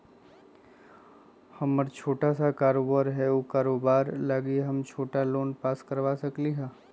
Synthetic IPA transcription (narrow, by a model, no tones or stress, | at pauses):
hɐməɾt͡ʃʰoːʈasakaːɾoːbaːɾɦɛokaːɾoːbaːɾlaːɡiɦɐmt͡ʃʰoːʈaloːnpaːskəɾʋaːsɐkliɦãː